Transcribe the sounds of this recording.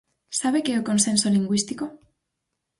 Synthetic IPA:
saβe̞keoko̞nsẽ̞nsoliŋɡwist̪iko

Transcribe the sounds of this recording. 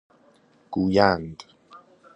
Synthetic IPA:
kujand̪i̥

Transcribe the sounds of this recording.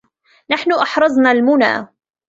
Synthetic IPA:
naħnʊʔɑħɾˤɑzˤnalmʊna̰ː

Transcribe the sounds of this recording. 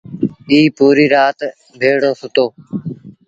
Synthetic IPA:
iːpuːɾiːɾaːt̪ | bʱeːɽoːsʊt̪oː

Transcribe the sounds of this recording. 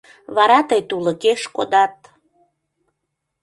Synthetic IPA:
βɑɾɑt̪əjt̪uləkeʃkod̪ɑt̪̚

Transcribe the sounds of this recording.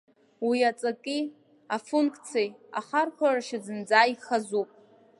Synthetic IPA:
wiat͡sʼakʼi | afuŋkʰʼt͡sʰeja̰χarħʷaraʃazɨnd͡zaːiχazupʼ

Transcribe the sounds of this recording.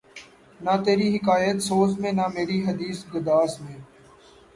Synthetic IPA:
naːt̪eːɾiːɦɪkaːjət̪soːzmẽːnaːmeːɾiːɦəd̪iːsɡʊd̪aːsmẽː

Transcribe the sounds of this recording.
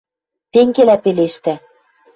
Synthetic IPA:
t̪eŋɡelæpeleʃt̪æ

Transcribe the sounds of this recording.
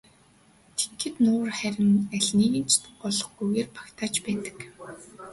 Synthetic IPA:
t̪ʰe̥txɘ̆t̪nʊːrχæɾʲɪ̆næɮʲniːɣɘ̆nt͡ɕʰt̪ɘ̆pɔɮɞ̆χɡujɣeːrpḁkt̪ʰaːt͡ɕpæːt̪ə̥̆k

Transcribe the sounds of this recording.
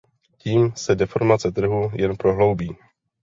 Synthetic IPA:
ciːmsɛdɛfo̞ɾmat͡sɛt̪r̩ɦujɛnpɾo̞ɦlo̞wbiː

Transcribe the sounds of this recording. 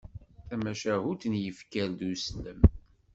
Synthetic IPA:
θæmæʃæhut̪njəfkæld̪usləm

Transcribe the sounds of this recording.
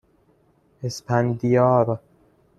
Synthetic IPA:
espʰænd̪ijɑːɾ

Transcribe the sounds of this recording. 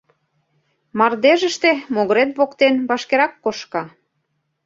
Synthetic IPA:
mɑrd̪eʒə̆ʃt̪emoɣɤɾet̪βokt̪enβɑʃkeɾɑkːoʃkɑ

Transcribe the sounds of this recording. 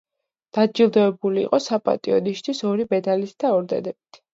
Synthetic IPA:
d̪̥ad͡ʒilˠd̪ɔɛbulḭːqʼɔsapʼa̰t̪ʼiɔd̪iʃt̪ʰwisɔɾibɛd̪alisd̪̥aɔɾd̪ɛ̰d̪ɛbit̪ʰ

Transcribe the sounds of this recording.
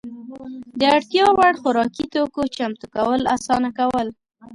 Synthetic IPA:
d̪əaɽt̪jɑwaɽxʊɾɑkit̪okot͡ʃamt̪ukawəla̰sɑnakawəl

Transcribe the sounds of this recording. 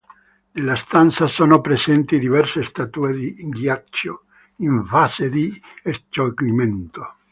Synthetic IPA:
nelːast̪ant̪sasoːnopɾesɛnt̪id̪ivɛrsest̪at̪ued̪iŋɡjat͡ʃːo | iɱfaːzed̪iest̪okliment̪o

